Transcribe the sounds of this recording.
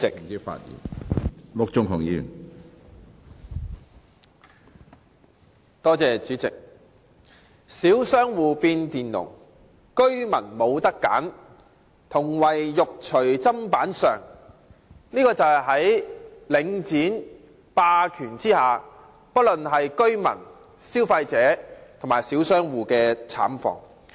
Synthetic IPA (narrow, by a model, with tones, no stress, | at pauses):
ɪ˨kki˥fa̰ː˧t̚jḭː˨˩nlʊ˥k̚t͡ʃʊ˥ŋɦʊ˨˩ŋjḭː˨˧jy̰˨˩n | t̪ɔː˥t͡sɛː˨˧t͡ʃyː˨˥t͡sɪ̰˨k̚ | siː˨˥wsœː˥ŋwuː˨piː˧nt̪iː˨nlʊ̰˨˩ŋ | kɵ˥ɥmɐ̰˨˩nmo˨˧wt̪ɐ˥kːa̰ː˨˥n | t̪ʰʊ˨˩ŋwɐ˨jːʊ˨k̚t͡ʃʰɵ˨˩ɥt͡sɐ˥mpaː˨˥nsœː˨˩ŋ | niː˥kɔː˧t͡sɐ˨wɦɐ˨˥jlɪ˨˧ŋt͡siː˨˥n | paː˧kʰyː˨˩nt͡siː˥haː˨˩ | pɐ˥t̚lɵ˨nɦɐ˨jkɵ˥ɥmɐ̰˨˩n | siː˥wfɐ˧jt͡sɛː˨˥t̪ʰʊ˨˩maː˨˩jsiː˨˥wsœː˥ŋwuː˨˩kɛː˧t͡sʰa̰ː˨˥mfɔ̰ː˨ŋ